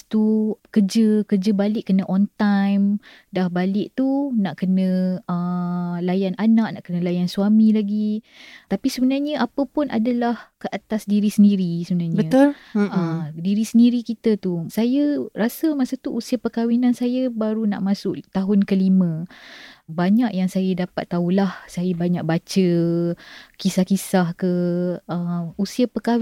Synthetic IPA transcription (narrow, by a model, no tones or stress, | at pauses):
t̪ukərd͡ʒəkərd͡ʒəbalɪʔkːənəʔɔnt̪ajm | dahbalɪʔt̪unaʔkənə̃əlajanʔanaʔnaʔkənə̃lajansuamĩlaɡi | t̪apisəbənaɲəʔapəpʊnʔa̰dalahkəʔat̪asdiɾisəndiɾisəbənaɲbəə̃t̪ʊlədiɾisəndiɾikit̪ət̪usajərasəmaʔsat̪uʔusiapəkawinansajəbaɾuna̰ʔmasʊʔt̪aɦʊnkəlimə̃ | baɲaʔjaŋsajədapa̰t̪ːaulahsajabaɲak̚bat͡ʃə | kisahkisahkəəmusiapəka